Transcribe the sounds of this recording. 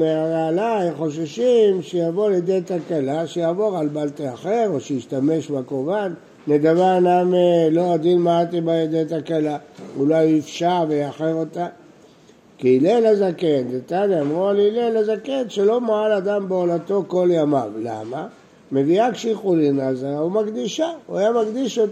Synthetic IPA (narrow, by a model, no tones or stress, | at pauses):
meaalajχo̞ʃ̬eʃimʃejavo̞ljed̪ejt̪akalaʃejaːvo̞ʁalbalt̪iaχeʁoʃejiʃtame̞ʃbakovanː | eɡavanameload̪inmaat̪ibaed̪ejt̪akalaulajifʃavejaχeʁot̪a | kiːlelezakend̪et̪aniamʁualiilelezakenʃelo̞maalad̪ambeolato̞ko̞ljamavla̰ma | me̞viakʃiχulinazaumaɡd̪iʃaajamaɡd̪iʃot